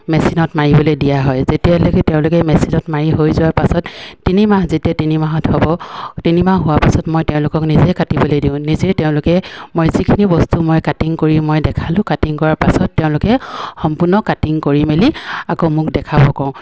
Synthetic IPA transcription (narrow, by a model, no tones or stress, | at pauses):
mɛsinɔtmaɹibɔlojdijaɦɔjzetialokteʊ̃lʊkɛmɛsinɔtmaɹiɦojzʊwaɹpasɔtːinimahzetiatinimaɦɔthɔbɔtinimaɦʊwapasɔtmojtɛʊ̃lʊkɔknizɛkatibɔlojdĩʊ̃nizɛtɛʊ̃lʊkɛmojzikʰinibɔstumojkatiŋkoɹimojdɛkʰalʊ̃katiŋkɔɹaɹpasɔtːeʊ̃lʊkɛxɔmpʊnɔkatiŋkoɹimeliakomʊkdɛkʰabɔkɔʊ̃